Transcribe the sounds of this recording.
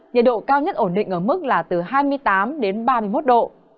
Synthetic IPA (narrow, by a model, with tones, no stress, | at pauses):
ɲə̰˧˨nɗo̰˧˨kaː˧wɲə˦˥t̚ʔo˧˩nɗḭ̈˧˨ŋ̟ʔəː˧˩mɨ˦˥k̚laː˨˩t̪ɨ˨˩ɦaː˧jmɨ˧əjt̪aː˨˦mɗe˨˦nɓaː˧mɨ˧əjmo˦˥t̚ɗo̰˧˨